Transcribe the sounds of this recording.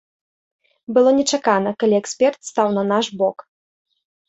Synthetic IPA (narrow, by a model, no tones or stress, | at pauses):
bɨlˠɔnʲɛt͡ʂakanɐkalʲiɛksʲpʲɛrt̪st̪awnɐnaʂbɔk